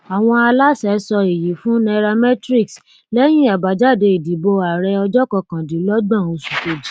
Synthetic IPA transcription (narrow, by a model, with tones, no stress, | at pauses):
a˨w̃ɔ̃˧a˧la˦sɛ˨˦sɔ˧e˨ji˨˦fũ˦nɛ˧ɾa˧mɛ˦tɾi˦ks | lɛ˦j̃ĩ˦a˨ba˨˦d͡ʒa˦˨de˧i˨di˨˦bo˧a˨ɾɛ˧ɔ˧d͡ʒɔ˦kɔ˧kã˨di˨˦lɔ˦ɡ͡bã˦˨o˧su˨ke˨d͡ʒi˨˦